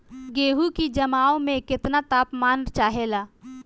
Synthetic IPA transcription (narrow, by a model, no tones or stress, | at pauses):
ɡeːɦukid͡ʒɐmaːomẽkɪt̪nat̪aːpmaːnt͡ʃaːɦelaː